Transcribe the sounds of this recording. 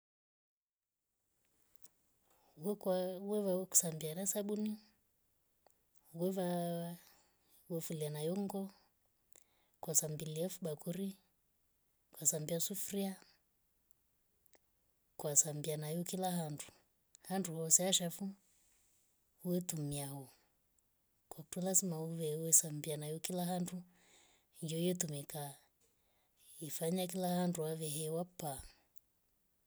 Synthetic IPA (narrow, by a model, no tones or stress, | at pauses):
wwɛβaku̥sambiaɾasaɓuni | wɛva | wɛfulianajɔŋɡɔ | kwasambiliafuɓakuɾi | kwasambiasufɾia | kwasambianajukilaɦandu | handuhɔsɛaʃafu | uɛtumiahɔ | kakutulazimauβɛuwɛsambianajukilaɦandu | ɲd͡ʒɔɛtumika | ifaɲak̬ilahanduaβɛɦɛwapːa